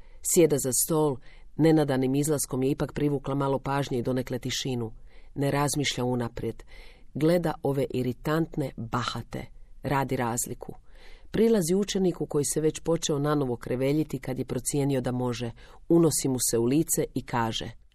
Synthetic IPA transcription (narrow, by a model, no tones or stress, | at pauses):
sje̞d̪azast̪o̞ːlˠne̞nad̪animizlˠasko̞mjeipakpɾiʋuːklamalˠo̞paːʒɲeid̪o̞ne̞kle̞t̪iʃinune̞ɾazmiːʃʎaunapɾje̞d̪ɡle̞d̪aʔo̞ʋe̞ʔiɾit̪ant̪ne̞bahat̪e̞̰ɾaːd̪iɾaːzlikʰupɾilˠaziut͡ʃe̞nikuko̞jise̞ʋe̞t͡ɕpo̞t͡ʃe̞o̞nano̞ʋo̞kɾeʋe̞ʎit̪ikad̪je̞pɾo̞t̪sje̞nio̞d̪amo̞ʒe̞uno̞simuse̞uliːt̪se̞ʔikaːʒḛ